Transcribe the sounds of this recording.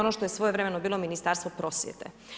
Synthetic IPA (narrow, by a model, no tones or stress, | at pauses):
onoʃt̪o̞jesʋo̞jeʋɾemenobiːlˠo̞minist̪aːɾst̪opɾo̞sjḛt̪ḛ